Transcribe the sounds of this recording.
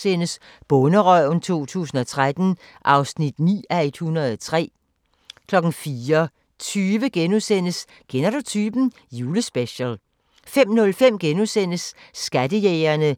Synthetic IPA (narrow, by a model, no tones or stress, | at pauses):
sen̰əs | b̥ɔnəʁœnt͡sʰo̝̰ːt͡sʰṵːsn̩ɒ̽t͡sʰʁad̥n̩ | ʔɑ̈ʊsnid̥nḭːæed̥hunɐð̩ˠt͡sʰʁɛ̰ː | kʰlɒ̽ɡ̥n̩fiːɐ | t͡sʰyːʋəɡ̥enusen̰əs | ɡ̥enɐdo̝t͡sʰyːb̥n̩ | juːləsb̥eɕəl | fem̰nɔ̽lfem̰ɡ̥enusen̰əsːɡ̥æd̥əjeɪɐnə